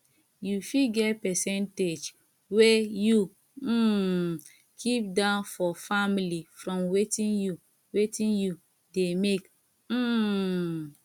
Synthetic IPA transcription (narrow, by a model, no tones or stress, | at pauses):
jufiɡɛtpɛsɛnted͡ʒ | weju | kʰip̚dãʊnfɔfamilifɾɔ̃mwetĩnju | wetĩnju | demek | m̩